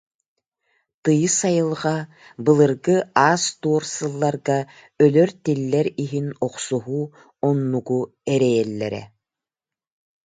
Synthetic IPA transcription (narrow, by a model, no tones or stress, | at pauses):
t̪ɯjɯsajɯlˠʁa | bɯlˠɯɾɡɯaːst̪uɔɾsɯlˠːaɾɡa | œlœɾt̪ilːɛɾiɦinɔqsuɦu | ɔnːuɡu | ɛɾɛjɛlːɛ̰ɾɛ̰